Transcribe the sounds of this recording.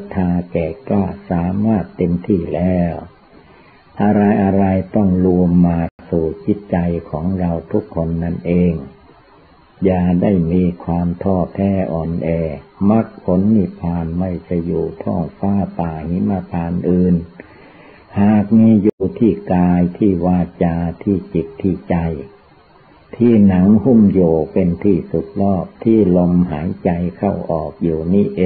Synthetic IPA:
t̪ʰːaː˧kɛː˨˩klaː˥˩saː˨˦maː˥˩t̪ːe˧mt̪ʰiː˥˩lɛː˦˥˩w | ʔa˧ɾa˧jʔa˧ɾa˧jt̪ɔ˥˩ŋlu˧əmːaː˧suː˨˩t͡ɕi˦˥t̪̚t͡ɕa˧jkʰɔː˩˦ŋɾa˧wt̪ʰu˦˥kʰːo˧nːa˥˩nʔeː˧ŋ | jaː˨˩da˥˩jmiː˧kʰwaː˧mt̪ʰɔː˥˩pʰɛː˧˥˩ʔɔː˨˩nʔɛː˧˩ma˦˥k̚pʰo˨˦˥nːi˧˩pʰaː˧nma˥˩jt͡ɕa˧˩juː˨˩t̪ʰɔ˧˥˩ŋfaː˧˥˩t̪aː˨˩hi˨˦ma˧˩pʰaː˧nʔɯː˧˩n | haː˨˩k̚miː˧juː˨˩t̪ʰiː˥˩kaː˧jt̪ʰiː˥˩waː˧t͡ɕaː˧t̪ʰiː˥˩t͡ɕi˨˩t̪ʰːiː˧˩t͡ɕa˧j | t̪ʰiː˥˩na˩˦ŋhu˧˥˩mjoː˨˩pe˧nt̪ʰiː˥˩su˨˩˦t̪̚lɔː˥˩p̚t̪ʰiː˥˩lo˧mɦaː˩˦jt͡ɕa˧jkʰa˥˩wʔɔː˨˩k̚juː˨˩niː˥˩ʔeː˧

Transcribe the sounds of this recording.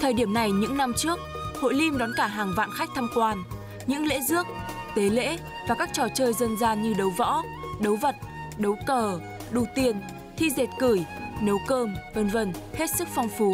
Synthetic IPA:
t̪ʰəː˨˩jɗi˧˩əmna˨˩jɲɨ̰˧˥ŋna˧mt͡ɕɨ˦˥ək̚ho̰˧˨jli˧mɗɔ˨˦nkaː˧˩ɦaː˨˩ŋva̰ː˧˨nxa˦˥k̚t̪ʰaː˧mkwaː˧n | ɲɨ̰˧˥ŋlḛ˧˥zɨ˦˥ək̚ | t̪e˨˦lḛ˧˥ | vaː˨˩kaː˦˥k̚t͡ɕɔ˧˩t͡ɕəː˧jzə˧nzaː˧ɲɨ˧ɗə˨˦wvɔ̰˧˥ | ɗə˨˦wvə˨˩t̚ | ɗə˨˦wkəː˧˩ | ɗu˨˩t̪i˧ən | t̪ʰi˧ze˨˩t̚kɨ˧˩jnə˨˦wkəː˧mvə˨˧˩nvə˧˩nhe˦˥t̚sɨ˦˥k̚fɔ˧wŋ͡mfu˨˦

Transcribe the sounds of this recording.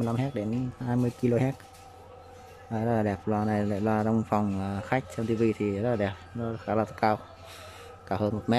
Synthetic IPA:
mɨ˧əjla˧mhɛ˦˥k̚ɗe˨˦nhaː˧jmɨ˧əjki˧lo˧ɦɛ˦˥t̚ | aː˨˩jzə˦˥la˨˩ɗɛ˨˩p̚lwaː˧˩na˨˩jla̰ː˧˨lwaː˧zɔ˧wŋ͡mfa˨˩wŋ͡mə˨˩xa˦˥jk̟̚t͡ɕɛ˧wnt̪i˧vi˧t̪ʰi˨˩ə˦˥laː˨˩ɛ˨˩p̚zɔ˧˦xaː˨˦laː˧˩t̪ʰkaː˧w | kaː˧˩həː˧nmo˨˩t̚mɛ˦˥

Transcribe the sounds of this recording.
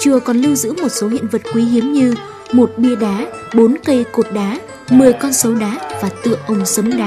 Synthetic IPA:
t͡ɕɨ˨˩əkɔ˨˩nlɨ˧wzɨ̰˧˥mo˨˩t̚so˨˦ɦḭ˧˨ənvə˨˩t̚kwi˨˦ɦi˨˦əmɲɨ˧ | mo˨˩t̚ɓi˧əɗaː˨˦ | ɓo˨˦nkə˧jko˨˩t̚ɗaː˨˦ | mɨ˨˩əjkɔ˧nsə˨˦wɗaː˨˦vaː˨˩t̪ɨ̰˧˨əʔə˧wŋ͡msə˨˦ŋ͡mɗaː˨˦

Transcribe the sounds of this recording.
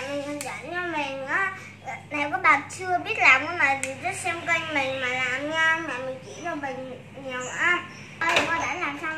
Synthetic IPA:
mi˨˩ə˨˩za˧˨˩nɲɔ˧mi˨˩ŋ̟ʔaː˨˦˨ | na˨˩jkɔ˨˦ɓaː˨˩t̚t͡ɕɨ˧əɓi˦˥ət̚laː˨˩mɨ˧˦maː˨˩vi˨˩zə˦˥t̚sɛ˧mkə˧jŋmï˨˩ŋ̟maː˨˩laː˨˩mɲaː˧maː˨˩mï˨˩ŋ̟t͡ɕi˧˩laː˨˩mï˨˩ŋ | ɲi˨˩əwʔaː˨˦ | ʔə˧jka˧˩ɗa̰ː˧˥laː˨˩msa˧w

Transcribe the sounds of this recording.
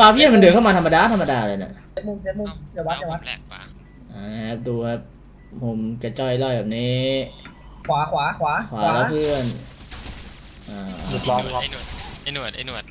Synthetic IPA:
faː˧pʰi˥˩nma˧ndɯ˨˩əkʰmaː˧t̪ʰmːa˧daː˧˨t̪ʰa˧ma˧daː˧lɤː˧na̰˨˩ʔt͡ɕe˨˦t̪̚mu˧˩ŋse˨˦t̚mu˧˩ŋt͡ɕa˧˩wa˦˥a˧˩wa˦˥ | ʔaː˧˩na˦˧kʰa˦˥p̚duː˧kʰɛ˦˥p̚ | mo˧mka˧t͡ɕɔ˧˩jlɔ˥˩jbɛː˨˩niː˦˥ | kʰwaː˨˩˦kʰwaː˩˦kʰwaː˨˦kʰwaː˨˩˦lɛː˦˥˦pʰɯ˥˩ən | ʔaː˧˩˨ɔ˦˧˩

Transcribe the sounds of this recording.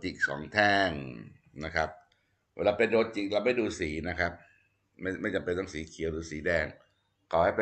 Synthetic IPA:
t͡ɕi˨˩k̚sɔ̰ː˩˦ŋt̪ʰɛː˥˩ŋ | na˦˥kʰa˦˥p̚ | weː˧˩laː˧pe˧ndoː˧t̪̚t͡ɕi˨˩k̚laː˧wma˥˩jduː˧siː˩˦na˦˥kʰɾa˦˥p̚ | ma˥˩ma˥˩jt͡ɕa˨mpe˧nt̪ɔ˥˩ŋsiː˨˩˦kʰi˨˩˦wduː˧siː˩˦dɛː˥˩ŋ | kʰɔː˨˩ha˥˩jp

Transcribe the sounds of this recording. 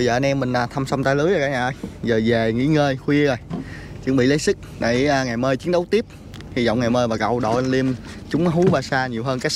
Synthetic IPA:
ə˧zəː˨˩ʔa˧nʔɛ˧mːï˨˩ŋ̟ʔaː˨˩t̪ʰa˧msa˧wŋ͡mt̪aː˧jlɨ˨˦jzə˨˩kaː˨˦ɲaː˨˩ʔəː˧jzəː˨˩za˨˩ŋḭ˧˥ŋəː˧jxwi˧əzə˨˩j | t͡ɕɨ˨˦ŋɓḭ˧˨lə˨˦jsɨ˦˥k̚ɗa̰˧˩jːŋa˨˩jməː˧jt͡ɕi˨˦ənɗə˨˦wt̪i˦˥əp̚ | hi˧˩zɔ̰˧˨wŋ͡mŋaː˨˩jməː˧jvaː˨˩kə̰˧˨wɗo̰˧˩ʔə˧nli˧əmt͡ɕʊ˨˦ŋ͡mɦu˨˦ɓaː˧˩saː˧ɲi˨˩əwɦəː˧nkaː˦˥j

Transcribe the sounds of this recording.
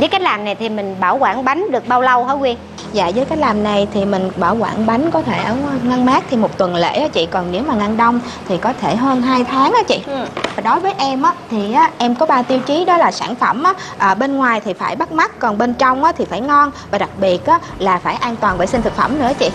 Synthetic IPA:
zəː˨˦jka˦˥k̚laː˨˩mna˨˩jt̪ʰi˨˩mï˨˩ŋ̟ɓaː˧˩wkwaː˧˩nɓa˨˦jŋ̟ɗɨ˨˩ək̚ɓaː˧wlə˧whəː˧˦kwi˧ən | za̰ː˧˨zəː˨˦jka˦˥j̚laː˨˩mna˨˩jt̪ʰi˨˩mï˨˩ŋ̟ɓaː˧˩wkwa̰ː˧˩nɓa˨˦jŋ̟kɔ˨˦t̪ʰe˧˩ʔəː˧˩˧ŋa˧nmaː˦˥k̚t̪ʰi˨˩mo˨˩t̚t̪wə˨˩nlḛ˧˥ʔaː˨˦t͡ɕḭ˧˨kɔ˨˩nne˨˦wmaː˨˩ŋa˧nɗə˧wŋ͡m | t̪ʰi˨˩kɔ˨˦t̪ʰe˧˩ɦəː˧nɦaː˧jt̪ʰaː˨˦ŋʔaː˨˦t͡ɕḭ˧˨vaː˨˩ɗo˨˦jvəː˨˦jʔɛ˧mʔaː˨˦t̪ʰi˨˩ʔaː˨˦ʔɛ˧mkɔ˨˦ɓaː˧t̪i˧wt͡ɕi˨˦ɗɔ˨˦laː˨˩saː˧˩nfə˧˩mʔaː˨˦ | ʔəː˨˩ɓe˧nŋwaː˨˩jt̪ʰi˨˩faː˧˩jɓa˦˥t̚ma˦˥k̚ːɔ˨˩nɓe˧nt͡ɕɔ˧wŋ͡mʔaː˨˦t̪ʰi˨˩faː˧˩jŋɔ˧nvaː˨˩ɗa˨˩k̚ɓi˨˩ət̚ʔaː˨˦ | laː˨˩faː˧˩jʔaː˧nt̪waː˨˩nvɓəː˧˩jsi˧nt̪ɨ˨˩k̚fə̰˧˩mnɨ̰˧˥ət͡ɕḭ˧˨

